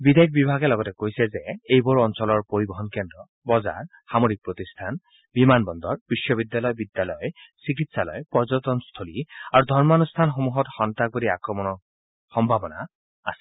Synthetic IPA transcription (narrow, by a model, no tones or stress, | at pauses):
bid̪ʱajk̚bibʱaɡɛlɔɡɔtɛkojsɛzeejbɔɹɔnsɔlɔɹpoɹibɔɦɔnkɛndɔ | bɔza̰ɹ | xamoɹik̚pɹot̪ist̪ʰan | bimanbɔnd̪ɔɹbiʃːɔbidjalɔjɔbid̪jalɔjɔsik̬itsalɔ̰jpɔɹzɔtɔnst̪ʰoliaɹud̪ʱɔɹmanust̪ʰanxomuɦɔtxɔntak̚bodiakɹɔmɔnɔ | xɔmbʱabɔna̰ | a̰sɛ